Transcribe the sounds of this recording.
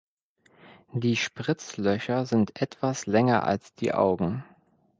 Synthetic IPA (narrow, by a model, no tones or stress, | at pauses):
d̥iːʃpʁ̥ɪt͡slœçɐzɪntʔɛtv̥aslɛŋɐʔa̰lsd̥ḭːʔa̰ʊɡŋ̩